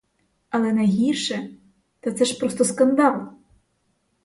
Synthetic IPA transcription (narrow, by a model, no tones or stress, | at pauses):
ɐlˠɛnɐjɦʲirʃɛ | t̪at̪sɛʃpɾɔst̪ɔskɐnd̪ɑlˠɔ